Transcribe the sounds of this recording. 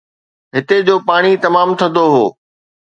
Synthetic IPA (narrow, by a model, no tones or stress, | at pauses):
ɦɪt̪ed͡ʑoːpaːɽ̃it̪ɐmaːmt̪ʰɐ̃nd̪oɦoː